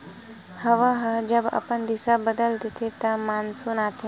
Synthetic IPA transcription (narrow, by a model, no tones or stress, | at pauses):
hɐʋaɦɐd͡ʒɐbɐ̰pənd̪ɪsabəd̪əlt̪it̪ʰit̪ɐmaːnsunaːt̪ʰi